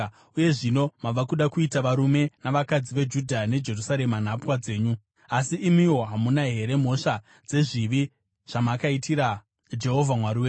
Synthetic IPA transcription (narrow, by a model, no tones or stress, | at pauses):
uje̞ʐino̞maʋakuɗakuitaʋaɾume̞naʋakad͡ziʋe̞d͡ʒudʱane̞d͡ʒe̞rusaɾe̞man̤apwad͡ze̞ːɲu | asiʔːmiwo̞ɦamunaɦe̞ɾe̞m̤o̞ʃa | d͡ze̞ʐiʋi | ʐ̥amakaitiɾa | d͡ʒe̞ɦo̞vʱamwaɾiwe